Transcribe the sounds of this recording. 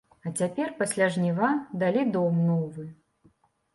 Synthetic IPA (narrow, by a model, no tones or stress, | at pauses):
ɐt͡sʲapʲɛrpasʲlʲaʐnʲivad̪alʲid̪ɔmnɔvɨ